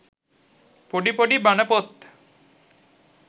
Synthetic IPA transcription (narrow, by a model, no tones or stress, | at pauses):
poɖipoɖibanəpot̪